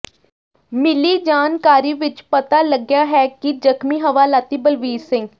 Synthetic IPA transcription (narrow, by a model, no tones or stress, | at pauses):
mɪliːd͡ʒaːnkaːɾiːʋɪt͡ʃpət̪aːləɡjaːɦɛːkid͡ʒəkmiːɦəʋaːlaːt̪iːbəlʋiːsɪ̃ŋɡ